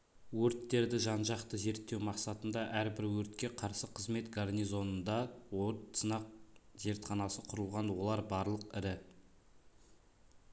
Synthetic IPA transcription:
wɵɾt̪ːe̞ɾd̪ɪʒɑnʒɑqt̪əze̞ɾt̪ːe̞wmɑqsɑt̪ənd̪ɑʔæɾbɪɾwɵɾt̪kʲe̞qʰɑɾsəqʰəzme̞t̪ɡarnʲijzo̞nənd̪ɑwoɾt̪sənɑq̚ze̞ɾt̪χɑnɑsəqʰʊɾəlˠʁɑnwo̞lˠɑɾbɑɾlˠəqɪɾɪ

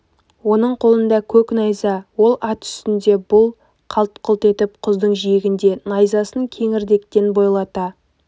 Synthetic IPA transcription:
wo̞nəɴqʰo̞lˠənd̪ɑkʲʰɵknɑjzɑwo̞lˠɑt̪ʏ̥st̪ɪnd̪e̞bʊlˠ | qʰɑlˠt̪qʰʊlˠt̪e̞t̪ɪp̚qʰʊzd̪əɴʒijɪɡʲɪnd̪e̞nɑjzɑsəŋkʲʰe̞ŋɪɾd̪e̞kt̪e̞nbo̞jlˠɑt̪ɑ

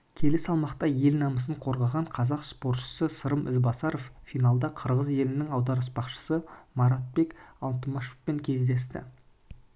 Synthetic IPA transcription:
kʲʰe̞lɪsɑlˠmɑqt̪ɑje̞lnɑməsəɴqʰo̞ɾʁɑʁɑɴqʰɑzɑqspo̞ɾt̪ʃə̥səsəɾəmʔɪ̰zbɑsɑɾo̞ffijnɑlˠd̪ɑqʰəɾʁəzje̞lɪnɪŋɑwd̪ɑɾəspɑqʃə̥səmɑɾɑt̪̚be̞kɑlˠt̪əmɑʃo̥fpe̞ŋkʲʰe̞zd̪e̞st̪ɪ̰

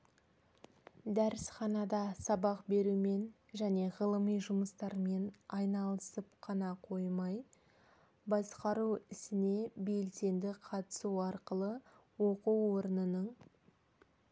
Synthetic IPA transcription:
d̪æɾɪsχɑnɑd̪ɑsɑbɑqbe̞ɾume̞n | ʒæne̞ʁəlˠəmijʒʊməst̪ɑɾme̞nɑjnɑlˠəsəp̚qʰɑnɑqʰo̞jmɑj | bɑsqɑɾuwɪsɪne̞be̞lse̞nd̪ɪqʰɑt̪ə̥suɑɾqəlˠə | wo̞quwo̞ɾənənəɴ

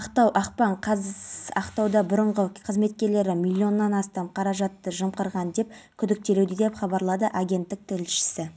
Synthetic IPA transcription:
ɑqt̪ɑwʔɑqpɑɴqʰɑɑqt̪ɑwd̪ɑbʊɾəɴʁəqʰəzme̞t̪̚kʲe̞ɾle̞ɾɪmilʲːio̞nːɑnɑst̪ɑmqʰɑɾɑʒɑt̪ːəʒəmqəɾʁɑnd̪e̞p̚kʲʰʏd̪ɪk̚t̪e̞lewd̪ɪd̪e̞pχɑbɑɾlˠɑd̪əʔaɡʲe̞nt̪ːɪk̚t̪ʰɪɾɪlʃɪ̥sɪ

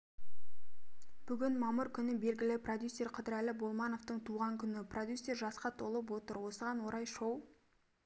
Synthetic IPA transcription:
b̥ʏɡʲɪnmɑməɾkʲʰʏnɪbe̞lɡʲɪlɪprod̪ʲjusʲːe̞rqʰəd̪ɪɾælɪbo̞lˠmɑno̞ft̪əɴt̪ʰuʁɑŋkʲʰʏnɪprod̪ʲjusʲːe̞ɾʒɑsqɑt̪ʰo̞lˠəp̬wo̞t̪əɾwo̞səʁɑnwo̞ɾɑjʃow

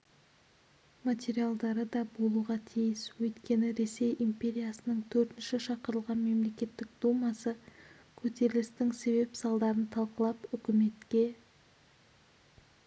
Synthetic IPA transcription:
mat̪ʲe̞ɾijalˠd̪ɑɾəd̪ɑbo̞lˠuʁɑt̪ʰijɪswɵjt̪kʲe̞nɪɾe̞se̞jʔimpʲe̞ɾʲijasənəɴt̪ʰɵɾt̪ɪnʃɪʃɑqəɾəlˠʁɑnme̞mle̞kʲe̞t̪ːɪk̚d̪̥umɑsə | kʲʰɵt̪e̞ɾɪlɪst̪ɪŋse̞βe̞psɑlˠd̪ɑɾənt̪ʰɑlˠqəlˠɑpʏkʲɪme̞t̪kʲe̞

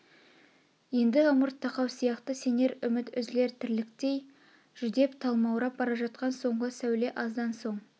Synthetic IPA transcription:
je̞nd̪ɪʊməɾt̪ʰːɑqɑwsijɑqt̪əse̞ne̞ɾʏmɪt̪ʏzle̞ɾt̪ʰɪɾlɪkt̪e̞j | ʒ̥ʏd̪e̞pt̪ʰɑlˠmɑwɾɑp̚bɑɾɑʒɑt̪̚qɑnso̞ɴʁəsæwle̞ʔɑzd̪ɑnso̞ɴ

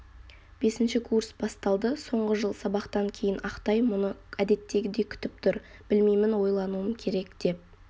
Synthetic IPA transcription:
b̥e̞sɪnʃɪkʰursbɑst̪ɑlˠd̪əso̞ɴʁəʒəlˠsɑbɑqt̪ɑŋkʲʰe̞jɪnʔɑqt̪ɑjmʊnəæd̪e̞t̪ːe̞ɡʲɪd̪e̞kʲʰʏ̥t̪ɪp̚t̪ʰʊɾ | b̥ɪlmejmɪnwo̞jlˠɑnuəmkʲʰe̞ɾe̞kd̪̥e̞p̚

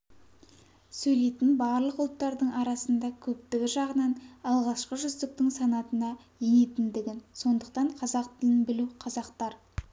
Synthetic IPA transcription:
sɵjle̞jt̪ɪnbɑɾlˠəqʊlˠt̪ːɑɾd̪əɴɑɾɑsənd̪ɑkʲʰɵp̚t̪ɪɡʲɪʒɑʁənɑnɑlˠʁɑʃqəʒʏzd̪ɪk̚t̪ɪŋsɑnɑt̪ənɑ | jene̞t̪ɪnd̪ɪɡʲɪnso̞nd̪əqt̪ɑɴqʰɑzɑq̚t̪ɪlɪnbɪluqʰɑzɑqt̪ɑɾ

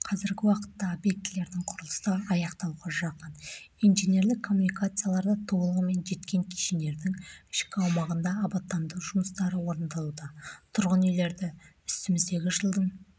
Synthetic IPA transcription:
qʰɑzɪɾɡʲɪwɑqə̥t̪ːɑobje̞k̚t̪ɪle̞ɾd̪ɪɴqʰʊɾəlˠəst̪ɑɑjɑqt̪ɑwʁɑʒɑqənijnʒene̞ɾlɪkʰːo̞mːunikat̪sɨjalˠɑɾd̪ɑt̪ʰobəlˠəʁəme̞nʒe̞t̪kʲe̞ŋkʲʰi̥ʃene̞ɾd̪ɪŋɪʃkʲɪɑwmɑʁənd̪ɑːbɑt̪ːɑnd̪əwʒʊməst̪ɑɾəwo̞ɾənd̪ɑlˠud̪ɑt̪ʰʊɾʁənijle̞ɾd̪ɪ | ʏ̥st̪ɪmɪzd̪e̞ɡʲɪʒəlˠd̪əɴ

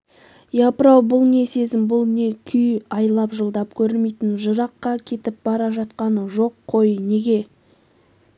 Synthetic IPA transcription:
jɑpəɾɑwbʊlˠne̞se̞zɪmbʊlˠne̞kʲʰʏjɑjlˠɑpʒəlˠd̪ɑpkʲʰɵɾɪme̞jt̪ɪnʒəɾɑqːɑkʲʰe̞t̪ɪp̚bɑɾɑʒɑt̪qɑnəʒo̞qʰːo̞jəne̞ɡʲe̞

